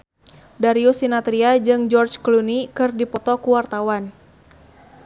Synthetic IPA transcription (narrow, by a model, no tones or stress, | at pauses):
daɾiusinat̪ɾiad͡ʒɨŋd͡ʒɔrt͡ʃklunikɨrdipɔt̪ɔkuwart̪awan